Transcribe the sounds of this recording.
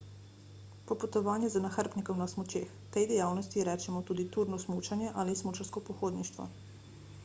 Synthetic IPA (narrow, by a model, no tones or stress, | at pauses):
pɔpɔt̪ɔʋaːnjɛzənaxəɾpnikɛwnasmɔt͡ʃeːxt̪ɛjd̪ɛjaːwnɔst̪iɾɛːt͡ʃɛmɔt̪uːd̪it̪uːɾnɔsmuːt͡ʃanjɛʔaːlismuːt͡ʃaɾskɔpɔxoːd̪niʃt̪ʋɔ̰